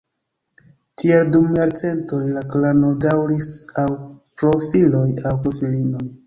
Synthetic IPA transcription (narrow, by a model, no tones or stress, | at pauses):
tieldumjaɾt͡se̞nto̞jlaklanodawɾisawpɾo̞filo̞jawpɾofilino̞j